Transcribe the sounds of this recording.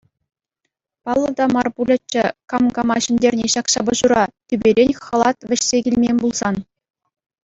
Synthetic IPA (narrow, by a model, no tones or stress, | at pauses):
pɑlˠːɤ̆d̪ɑmɑrpulʲɘ̆t͡ɕːɘ̆kɑmɡɑmɑɕɘ̆nʲdʲerʲnʲeɕɑkɕɑbɤ̆ʑuɾɑt̪ʲybʲeɾʲenʲχɤ̆lˠɑt̪ʋʲɘ̆ɕsʲeɡʲilʲmʲemʲbulˠz̥ɑn